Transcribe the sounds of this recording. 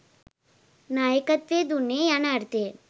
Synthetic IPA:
naːjəkɐt̪ʋed̪unejanaːɾt̪e

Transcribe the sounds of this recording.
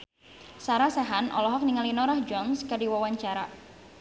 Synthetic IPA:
saɾasɛɦanʔɔ̰lɔɦɔk̚niŋalinɔɾahd͡ʒɔnskadiwawaɲt͡ʃaɾa

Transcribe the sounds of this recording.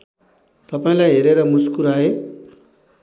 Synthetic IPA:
t̪ʌpaĩlajɦeɾeɾʌmuskuɾae

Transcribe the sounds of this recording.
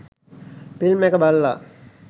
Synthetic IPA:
pilmɛkəbalːa

